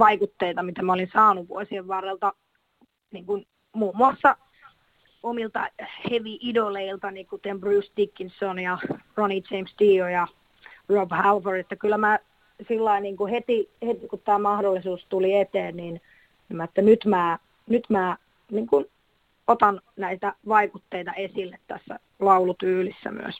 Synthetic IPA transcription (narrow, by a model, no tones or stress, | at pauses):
ʋɑikut̪ːeit̪ɑmit̪æmæolinsɑːnuʋʋṵo̰isieʋʋɑrːelt̪ɑ | niːŋkun | muːmːuɑsːɑ | omilt̪ɑheʋiʔidoleilt̪ɑniːkut̪embrusd̪ikːinsonjɑronit͡ʃeimsd̪iːojɑ | robhælʋoret̪ːækylːˑæmæː | silːɑiniːŋkuhet̪ihet̪ikut̪t̪æːmɑhdolːisuːst̪uliet̪eːnnin | nimːæet̪ːænyt̪mæː | nyt̪mæː | niːŋkun | ot̪ɑnnæit̪æʋɑikut̪ːeit̪ɑesilːet̪t̪æsːæ̰ | lɑulut̪yːlisːæ̰my̰ø̰s